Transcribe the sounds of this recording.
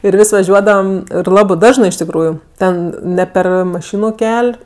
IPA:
ɪr ˈʋʲɪsʲ ʋɐˈʒʲuɔdɐʋɐm ɪr ˈlˠɑːbɜ ˈdɑːʒnɜ ɪʃ tʲɪkˈruːjʊ ˈtʲɛn ˈnʲɛ ˈpʲɛr mɐˈʃʲɪnʊ ˈkʲɛlʲ

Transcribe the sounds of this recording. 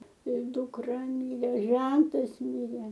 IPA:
ɪr dʊkˈrɐ ˈmʲiːrʲeː ˈʒʲɛntɐs ˈmʲɪrʲeː

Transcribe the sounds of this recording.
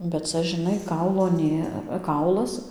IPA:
bʲɛt ˈt͡sɐ ʒʲɪˈnɐɪ ˈkɐʊlˠoː ˈnʲeː ˈkɐʊlˠɐs

